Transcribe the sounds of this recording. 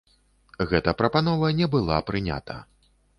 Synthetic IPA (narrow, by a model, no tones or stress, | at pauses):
ɣɛt̪ɐpɾɐpanɔvɐnʲɛbɨlˠa̰pɾɨnʲa̰t̪ʰɐ̰